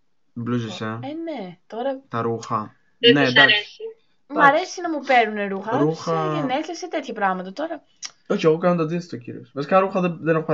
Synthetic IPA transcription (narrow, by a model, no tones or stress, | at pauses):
blusiseene̞t̪o̞ɾɐt̪ɐɾuxɐ | ned̪aesi | mmɐɾesinɐmupe̞ɾnune̞ɾuxɐɾuxɐeneleset̪et̪çɐpɾɐɣmɐt̪ɐt̪o̞ɾɐ | o̞çeɣo̞kɐnot̪ɐd̪ist̪ocḭɾio̰svɐsi̥kɐɾuxɐðeðenɐxopɐ